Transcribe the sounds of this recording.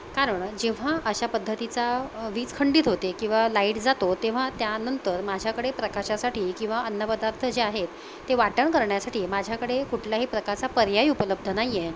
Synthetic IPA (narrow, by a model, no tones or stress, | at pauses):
kaɾəɳd͡ʑeʋ̤aʔəɕapəd̪ʱːət̪it͡saʋiːt͡skʰəɳɖiːt̪ɦot̪ekĩw̃ʋalaiʈd͡zat̪ot̪eʋ̤at̪janənt̪əɾmad͡ʑʱjakəɽepɾəkaɕasaʈiːkĩw̃ʋaənːəpəd̪aɾt̪ʰəd͡ʑeaɦet̪ː | eʋaʈəɳkəɾɳjasaʈʰiːmad͡ʑʱjakəɽekuʈʰljaɦiːpɾəkaɾt͡sapəɾjajupələb̚d̪ʱənaje